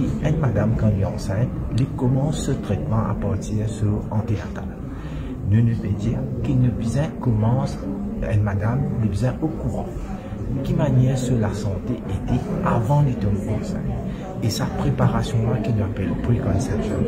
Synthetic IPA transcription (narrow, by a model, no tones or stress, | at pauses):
iɛ̃nmad̪amkɑ̃liɑ̰̃sɛ̃t̪likɔmɑ̃sːət̪χɛt̪mɑ̃a̰paʁt̪iʁsyɑ̃t̪eat̪a̰l | nənəfɛd̪iʁkinəbzɛ̃kɔmɑ̃sɛ̰̃d̪mad̪amlibzɛ̃ʔokuʁɑ̰̃ | kʲimanɛʁsəlasɑ̃t̪eʔet̪ɛavɑ̃let̪ɔnɑ̃sɛ̰̃t̪ | esapχepaʁasjɔ̃akilapɛlpʁikɔ̃nsɛpsɔ̰̃